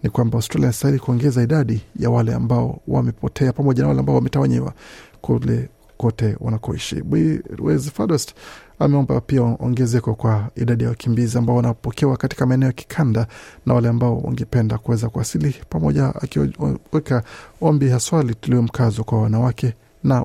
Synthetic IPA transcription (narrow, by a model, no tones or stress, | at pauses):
nikwambawstɾalianistahiɾikuɔŋɡɛzaiɗaɗijawalɛa̰mbaɔ̰wa̰mɛpɔtʰɛapamɔʄanawalɛambaɔwamɛtawaɲɛwa̰kulɛ | kɔtɛwa̰nakɔiʃḭɓiwɛ̰zfaɗɔst | a̰mɛɔmba̰piaɔ̰ŋɡɛzɛkɔkwaiɗaɗijawakʰimbiziambaɔwanapɔkʰɛwakati̥kamaɛnɛɔjaki̥kʰandana̰walɛambaɔwa̰ŋɡɛpɛndakuwɛzakuasilipamɔʄaa̰kwɛkaɔmbihaswalituliɔm̩kʰazɔkwawanawakɛ | na